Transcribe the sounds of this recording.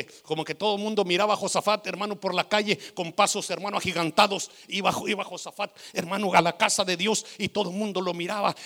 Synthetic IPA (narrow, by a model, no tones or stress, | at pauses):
komoke̞t̪o̞ðomũnd̪o̞miɾaβaxo̞safat̪eɾmanopo̞ɾlakaʝe̞ko̞mpaso̞se̞ɾmãnoaxiɣant̪aðos | iβaiβaxo̞safat̪eɾmanoalakasaðe̞ðjo̞sit̪o̞ðomũnd̪o̞lo̞miɾaβa